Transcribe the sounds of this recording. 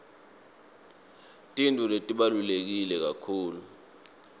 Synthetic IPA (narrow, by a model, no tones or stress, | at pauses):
tʼintʼuletʼiɓalulek̬ilɛk̬akʰuːlu